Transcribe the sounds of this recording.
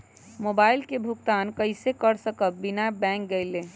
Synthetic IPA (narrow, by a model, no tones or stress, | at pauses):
mobaːɪlkebʱuɡt̪aːnkəɪsekəɾsəkəbinabɛ̃k̚ɡəɪle